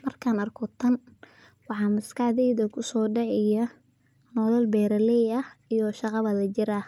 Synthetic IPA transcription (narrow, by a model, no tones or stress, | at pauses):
mɐrkʰaːnɐrkʰɔt̪ʰɐn | wɑħɑːmɐskʰɑħðɛjðɐkʰʊsɔːɖɛʕɪjɐ | nɔlɐlbɛːɾɐlɛjɐhijɔʃɑqɑβɐlɐt͡ʃɪɾɐ